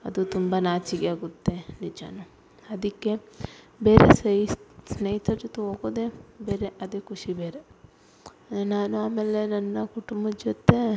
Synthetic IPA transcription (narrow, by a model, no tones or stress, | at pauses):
ɐ̰d̪ut̪umbɐnaːt͡ʃiɡeaːɡut̪ːe̞nid͡ʒɐ̰nu | ɐd̪ikːe̞ | beːɾḛssnejit̪ʰɐɾɐt̪ːuɦoːɡoːd̪ebeːɾeʔɐd̪eːkuʂibeːɾe̞ | naːnuaːmeːlːe̞nɐnːɐkuʈumbɐd͡ʒot̪ːe̞